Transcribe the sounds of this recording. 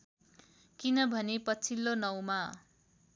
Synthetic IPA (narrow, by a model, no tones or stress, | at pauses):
kinʌbʱʌnepʌt͡sʰilːonʌwma